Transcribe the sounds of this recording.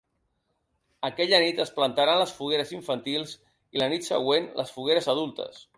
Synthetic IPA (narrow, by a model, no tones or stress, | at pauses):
əkɛʎənit̪əsplənt̪aɾanləsfuɣeɾəziɱfənt̪ilˠz | ilənit̪sə̰ɣ̞wenlʔə̰sfuɣeɾəzəð̞ulˠt̪ə̰s